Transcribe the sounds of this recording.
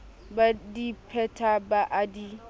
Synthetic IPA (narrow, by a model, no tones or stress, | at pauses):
badipʰɛtʰabaʔadi